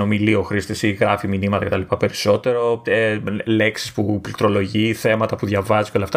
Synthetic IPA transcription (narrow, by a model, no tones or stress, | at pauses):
o̞milioxɾist̪isiɣɾɐfiminimɐt̪ɐkce̞t̪ɐlipɐpe̞ɾiso̞t̪e̞ɾo̞ | le̞ksi̥spuplt̪ɾo̞lo̞ʝiθe̞mɐt̪ɐpuðʝɐvɐziceo̞leɐft̪ɐ